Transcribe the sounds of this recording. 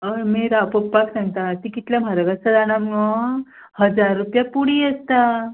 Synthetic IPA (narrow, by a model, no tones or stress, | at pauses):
əmiɾapopːaksãŋɡt̪at̪ikit̪ljam̤aɾəɡat͡səlaɽ̃amɔ | həd͡zaɾːupjapuɽiəst̪a